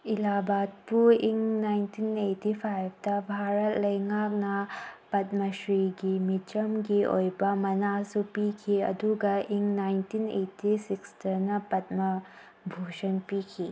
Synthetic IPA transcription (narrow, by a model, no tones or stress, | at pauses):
ilabat̚puiŋnajntʰinetipʰajb̚ʰtɐbʱaɾɐtlɐjŋak̚nɐpɐt̚mɐsɾiɡimit͡ʃɐmɡio̰jbɐmɐnasupikʰiɐ̰duɡɐʔiŋnajntinḛtisikstɐɾnɐpɐt̚mɐ | bʱosɐnpikʰi